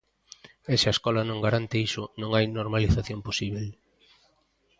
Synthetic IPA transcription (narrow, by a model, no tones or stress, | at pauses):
esaeskɔlɐnõŋɡaɾant̪eisʊnõŋajnoɾmaliθaθjomposiβ̞el